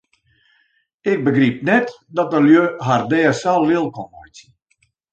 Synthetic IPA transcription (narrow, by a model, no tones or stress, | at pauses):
ɪk̚bəɡrip̚nɛt | dɔtəljøɦardɛːəsalˠːɪlˠkɔmɔjt